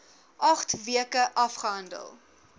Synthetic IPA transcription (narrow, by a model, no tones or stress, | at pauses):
ʔɐχtviəkəʔɐfχəɦɐndə̰lˠ